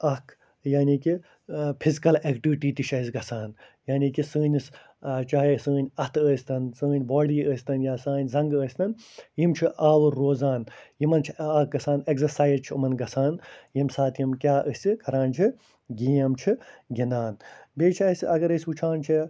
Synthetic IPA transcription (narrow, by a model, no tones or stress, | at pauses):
ɐkʰ | jaːniːki | pʰizikɐlekʈiʋiʈiːt̪iʃɐizɡɐsaːn | jaːniːkisɨːnʲis | t͡ʃaɦisəːnʲɐt̪ʰəːsʲt̪ɐnsɨːnʲbaːɽiːəːsʲt̪ɐnjaːsaːnʲzɐŋɡəːsʲt̪ɐnjimt͡ʃʰiʔaːwɨɾːoːzaːnjimɐnt͡ʃʰiɐk̚ɡɐsaːneksɐɾsaːjzt͡ʃʰiɨ̰mɐnɡɐsaːnjimsaːt̪jimkʲjaːʔəsʲikʰɐɾãːnt͡ʃʰi | ɡiːɐmt͡ʃʰiɡʲinaːnbeːt͡ʃʰɐsʲɐɡɐɾəsʲbut͡ʃʰaːnt͡ʃʰi